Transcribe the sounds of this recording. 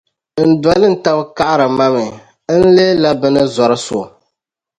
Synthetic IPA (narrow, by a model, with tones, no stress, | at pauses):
n̩˨dɔ˨lɨ˦n̩˨ta˦bka˦ʔa˦ɾɨ˨ma˦mɨ˨˦ | n̩˦le˦la˦bɨ˦nɨ˦zɔ˨ɾɨ˦so˨